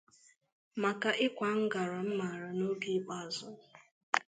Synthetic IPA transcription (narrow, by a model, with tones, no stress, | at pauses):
ma˨ka˨ʔɪ˦kʷa˨ŋ̩˦ɡa˨ɾa˨m̩˦ma˨ɾa˨no˦bi˦k͡pa˨zʊ˦